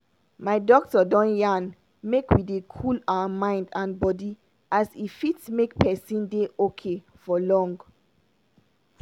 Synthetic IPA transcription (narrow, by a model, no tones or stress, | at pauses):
maɪdɔk̚tɔdɔ̃njãn | mekwidekʰulaəmãɪ̃ndãnbɔdi | ʔasifitsmek̚pɛsĩndeʔokʰe | fɔlɔ̃ŋɡ